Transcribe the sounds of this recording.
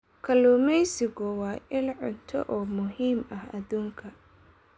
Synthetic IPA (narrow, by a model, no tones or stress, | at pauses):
kʰɐluːmɛjsɪɣʊwɑːʔɪlʕʊ̰nt̪ʰɔ̰ʔɔːmʊɦiːmɐhɐ̰ðuːŋkʰɐ